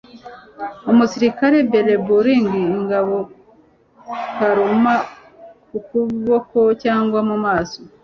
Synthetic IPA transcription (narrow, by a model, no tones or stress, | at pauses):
omusiɾikaɾe̞beɾe̞buɾiːŋɡiːŋɡaβo̞ | kaɾuma | kukuβo̞ko̞caːŋɡwamumaːso